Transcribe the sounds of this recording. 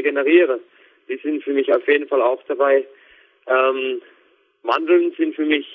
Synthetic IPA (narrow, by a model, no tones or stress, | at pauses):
ɡenəʁ̞iːʁə | d̥iːzɪntfyːɐmɪçaʊfjeːdn̩falaʊxd̥abaɪ | ʔɛːm | vandl̩nz̥ɪntfyːɐmɪç